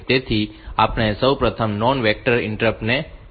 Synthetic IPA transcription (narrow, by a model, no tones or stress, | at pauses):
t̪et̪ʰiapɳ̃esəwpɾət̪ʰəmnɔnʋek̚ʈəɾɪ̰ɳʈɾəpne